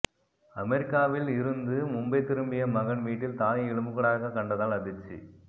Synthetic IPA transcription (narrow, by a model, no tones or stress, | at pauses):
ɐmɛɾɪkːaːʋɪlɪɾɯnd̪ɯmʊmbɐɪt̪ːɪɾɯmbɪjɐmɐɣɐɳʋiːʈːɪlt̪aːjɪɭɯmɯɣɐɭaːɣɐkːɐɳɖɐðaːlɐðɪt͡ʃːḭ